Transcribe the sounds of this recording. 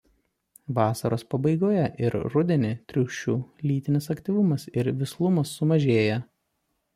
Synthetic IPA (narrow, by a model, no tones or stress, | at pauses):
ʋɑːsɐɾoːspɐbɐɪɡoːjɛʔɪɾɾʊd̪ʲɛnʲɪt̪ʲɾʲʊːʃʲt͡ʃʲuːlʲiːt̪ʲɪnʲɪsɐkʲt̪ʲiʋʊmɐsɪɾʋʲɪslˠʊmɐsːʊmɐʒʲeːjɛ